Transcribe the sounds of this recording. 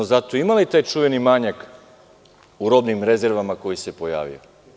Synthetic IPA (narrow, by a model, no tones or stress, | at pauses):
zat̪o̞imalit̪aːjt͡ʃuʋe̞nimaːɲak | uɾo̞bnimɾe̞ze̞ɾʋamako̞jise̞po̞ja̰ːʋḭo̰